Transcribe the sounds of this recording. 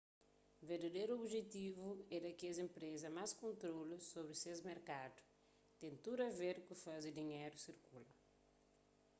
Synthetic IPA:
veɾd̪ɐd̪ejɾuobʒet̪ivuɛɾɐkɛzẽmpɾezɐmaskõnt̪ɾolusobɾɪsezmeɾkad̪u̥ | t̪ẽnt̪uɾɐveɾkufazid̪iɲeɾusiɾkulɐ

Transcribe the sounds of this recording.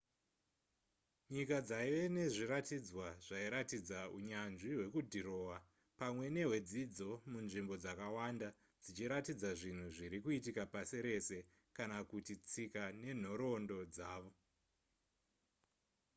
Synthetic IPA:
ɲikad͡zaiʋe̞ne̞ʐiɾatid͡zwaʐ̥aiɾatid͡zauɲanʐiɦwe̞kudʱiɾo̞ːwa | pamwe̞ne̞we̞d͡zid͡zo̞munʐimbo̞d͡zakawanda | d͡zit͡ʃiɾatid͡zaʐin̤uʐiɾikuitikapasiɾe̞se̞ | kanakutit͡sikane̞n̤o̞ɾo̞ndo̞d͡zaːʋo̞

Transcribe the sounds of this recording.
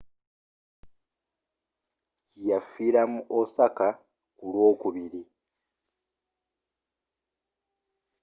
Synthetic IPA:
jafiːɾamuʔosaka | kulwo̞ːkuβiɾi

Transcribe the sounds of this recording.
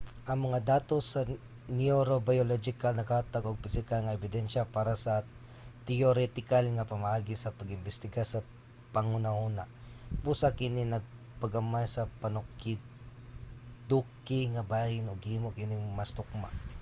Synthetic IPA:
ʔɐŋmɐŋad̪aːt̪osɐ | nɪoɾobajolod͡ʒɪkalnɐkat̪aɡoɡ̚pɪsɪkalŋɐʔɛbɪd̪ɛnʃapaːɾasɐ | t̪ɛoɾɛt̪ɪkalŋɐpɐmaʔaːɡɪsɐpɐɡɪmbɪst̪ɪɡasɐ | pɐŋʊnahuna | busakɪninɐɡ̚ | pɐɡɐmajsɐpɐnʊkɪ | d̪ukɪŋɐbahɪnoɡhimokɪnɪmɐst̪ʊk̚ma̰

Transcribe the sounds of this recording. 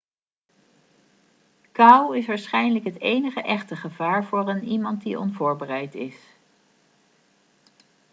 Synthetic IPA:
kawɪsʋaːɹsχɛjnələkɦətejnəχəʔɛχtəχəvaːɹvʊːrənimɑnt̚diʔɔ̰nvʊːɹbərɛjtɪs

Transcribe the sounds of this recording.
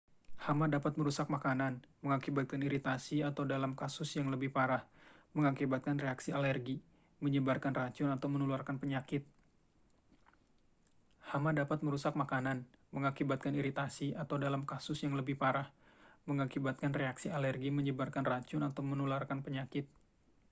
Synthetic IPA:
hamadapat̪̚məɾusak̚makananməŋakibat̪̚kaniɾit̪asiat̪awdalamkasʊsjaŋləbɪhpaɾahməŋakibat̪̚kanreaksialɛrɡi | məɲəbarkanraɲt͡ʃʊnat̪awmənuluarkanpəɲakɪt̪̚ | hamadapat̪̚məɾusak̚makananməŋakibat̪̚kaniɾit̪asiat̪awdalamkasʊsjaŋləbɪhpaɾah | məŋakibat̪̚kanreaksialɛrɡiməɲəbarkanraɲt͡ʃʊnat̪awmənularkanpəɲakɪt̪̚

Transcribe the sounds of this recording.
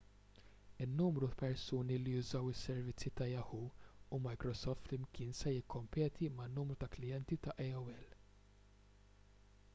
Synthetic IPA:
ɪnːuːmɾuɐpɛɾsuːnilijʊzɐwɪsːɛɾvɪt͡sːit̪ɐjɐhuumɐjkɾɔsɔft̪ɪmkʰɪːnsɛjɪkʰːɔmpɛːt̪ʰimɐnːuːmɾut̪ɐklɪjɛnt̪it̪ɐʔɛɐwɛl

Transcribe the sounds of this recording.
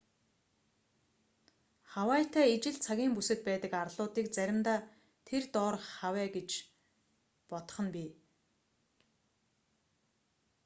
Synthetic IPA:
χawæːt̪ʰæːit͡ɕɪ̆ɮt͡sʰaɣʲiːmpusɘ̆k̪̚pæːt̪ə̆karɮʊːt̪iːk̚t͡sæɾʲɪ̆mt̪aː | t̪ʰert̪ɔːrχawæːɡet͡ɕ | pɔt̪̆χə̆npʲiː

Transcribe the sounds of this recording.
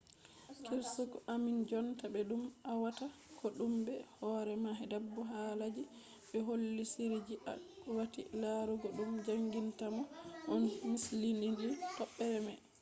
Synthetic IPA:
kʰiɾsɔkɔʔamind͡ʒɔntabɛɗumawatakɔɗumbɛhɔɾɛmaɦɛdabːɔɦalad͡ʒi | ɓɛɦolːisiɾid͡ʒiʔa̰ɔwatḭlaɾuɡɔɗumd͡ʒaŋɡintamɔʔɔnmislininitɔɓːɛɾɛma

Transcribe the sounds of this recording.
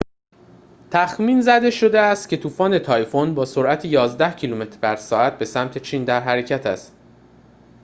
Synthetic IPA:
t̪ʰæxmiːnzæd̪e̞ʃo̞d̪eæst̪cʰe̞t̪ʰuːfɒːne̞t̪ʰɒːjfonbɒːsoɾʔæt̪ʰejɒːzd̪æhcʰilume̞t̪ʰɾbæɾsɒːæt̪̚be̞sæmt̪ʰe̞t͡ʃʰiːnd̪æɾɦæɾe̞cʰæt̪ʰæ̰st̪

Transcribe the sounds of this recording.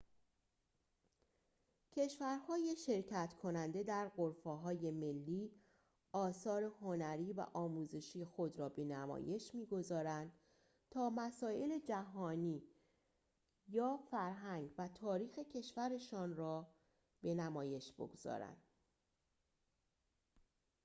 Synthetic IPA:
cʰe̞ʃvæɾhɒːjeʃe̞ɾcʰæt̪kʰo̞nænd̪e̞d̪æɾɢoɾfeɦɒːje̞me̞lːiː | ɒːsɒːɾe̞ho̞næɾiːvæ̰ʔɒːmuːze̞ʃiːje̞xo̞d̪ɾɒːbe̞næmɒ̰ːje̞ʃmiːɡo̞zɒːɾænd̪̥ | t̪ʰɒːmæsɒːʔe̞le̞d͡ʒæɦɒːniː | jɒːfæɾɦæŋɟvæt̪ʰɒːɾiːxe̞cʰe̞ʃvæɾe̞ʃɒːnrɒː | b̥e̞næmɒːje̞ʃb̥o̞̰ɡoz̥ɒ̰ːɾæ̰nd̪̥

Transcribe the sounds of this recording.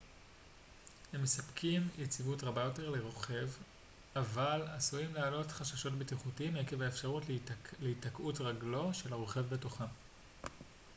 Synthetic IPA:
he̞mːesapkʰimjet͡sivutʁabajo̞te̞ʁleʁo̞χe̞v | avalasuimlealo̞tχaʃaʃo̞tbitiχutiimhekevaefʃaʁutleitakʔutʁaɡlo̞ʃe̞laʁoχe̞vbe̞toχam

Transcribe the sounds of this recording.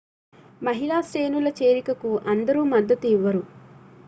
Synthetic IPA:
mɐɦilaːsɾeːnulɐt͡ʃeːɾikɐkuʔɐnd̪ɐɾuːmɐd̪ːɐt̪uiʋːɐɾu

